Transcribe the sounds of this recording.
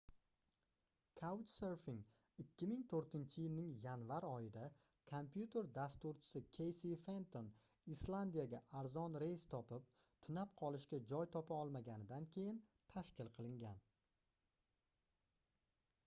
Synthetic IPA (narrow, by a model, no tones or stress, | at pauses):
kʰawt͡ʃseɾfɪŋ | ɪkʲːɪmɪŋt̪ʰɵɾt̪ʰɪnt͡ʃʰɪjɪlnɪŋjanvaɾɒjɪd̪a | kʰompjut̪ʰe̞ɾd̪ast̪uɾt͡ʃʰɪ̥sɪkʲʰe̞jsife̞nt̪ʰon | islˠand̪ijaɡʲaʔaɾzɒnɾe̞jst̪ʰɒpʰɪp̚ | t̪ʰʊnap̚qʰɒlˠɪʃkʲad͡ʒɒjt̪ʰɒpʰaɒlˠmaɡʲanɪd̪ankʲʰe̞jɪnt̪ʰaʃkʲɪlˠqʰɨlˠɪŋɡʲan